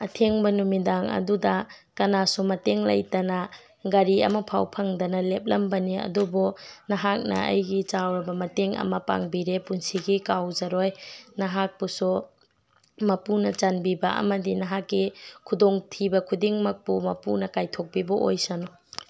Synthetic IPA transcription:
ɐtʰeŋbɐnumidaŋɐ̰dudɐkɐnasumɐteŋlɐ̰jtɐnɐ | ɡɐɾiɐ̰mɐpʰawpʰɐŋdɐnɐlep̚lɐmbɐniɐ̰dubunɐɦak̚nɐ̰ɐ̰jɡit͡ʃawɾɐbɐmɐteŋɐ̰mɐpa̰ŋbiɾepunsiɡikawzɐɾojnɐɦak̚pusu | mɐpunɐt͡ʃɐnbibɐʔɐ̰mɐdinɐɦakːikʰudoŋtʰibɐkʰudiŋmɐk̚pumɐpunɐkajtʰok̚bibɐʔo̰jsɐnɔ

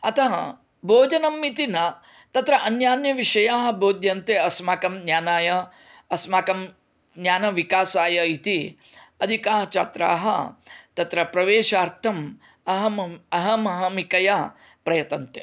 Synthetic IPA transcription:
ɐt̪ɐɦɐ̰ | bʱoːd͡ʒɐnɐmːit̪inɐ | t̪ɐt̪ɾɐʔɐnjaːnjɐʋiʂɐjaːɦɐ̆bʱoːd̪jɐnt̪eɐsmaːkɐmnjaːnaːjɐː | smaːkɐm | njaːnɐʋikaːsaːjɐit̪iɐd̪ʱikaːɦɐt͡ʃat̪ɾa̰ːɦɐ̰t̪ɐt̪ɾɐpɾɐʋeːʃaːɾt̪ʰɐm | ɐɦɐɐɦɐmɐɦɐmikɐja | pɾɐjɐt̪ɐnt̪ḛ

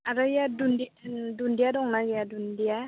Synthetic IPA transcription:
aɾajadundidundijadɔŋnaɡjadundija

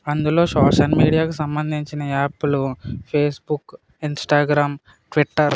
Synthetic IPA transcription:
ɐnd̪ulo̞ːʃɔːʃɐlmiːɽijaːkusɐmbɐnd̪ʱiɲt͡ʃinɐaːpːulupʰeːsbuk | insʈaːɡɾaːm | ʈʋiʈːɐɾ

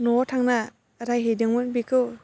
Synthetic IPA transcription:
nɔtʰaŋna | ɾajɦejdɯŋmunbikʰɯw

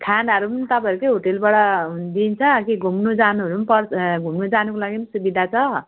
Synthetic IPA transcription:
kʰanʌɾumunt̪ʌpaɾukeɦoʈelbaɽʌd̪int͡sʰʌkiɡʱumnod͡zanuɦʌɾumpʌɾsɡʱumnod͡zanukolaɡimsubid̪ʱat͡sʰʌ

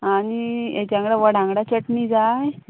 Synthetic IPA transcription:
aniḛt̪ãŋɡɽaʋəɽãŋɡɽat͡ɕəʈmid͡zaj

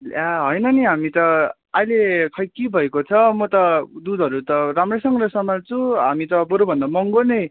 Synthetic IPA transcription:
laɦʌjnʌniɦamit̪ʌ | ajlekʰʌjkibʱʌekot͡sʰʌmʌt̪ʌd̪ud̪ʱʌɾut̪ʌɾamresʌŋɡɾʌsʌmant͡sʰũɦamit̪ʌboɾobʱʌnd̪amʌŋɡonʌj

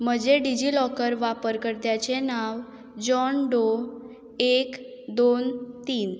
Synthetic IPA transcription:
m̤əd͡ʑeɖid͡ʑiːlɔkəɾʋapəɾkəɾt̪jat͡senaʋ | d͡ʑɔnɖo | ek | d̪ont̪iːn

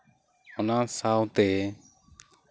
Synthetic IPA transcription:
ɔnasawt̪ɛ

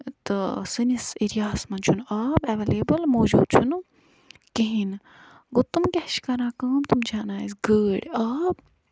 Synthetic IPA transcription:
t̪ɨsɨnisiɾijaːsmɐnt͡ʃʰunaːbɐʋeːleːbɐlmoːd͡ʒṵːd̪̚t͡ʃʰun | kiɦin | ɡot̪umkʲɛhʃkɐɾãːkaːmt̪umd͡ʒaːnaːisɡəːɽʲaːb

